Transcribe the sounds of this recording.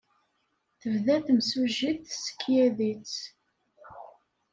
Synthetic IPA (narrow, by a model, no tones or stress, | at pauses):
θəvðæθmsuʒiθsə̥kʰːjæðit͡s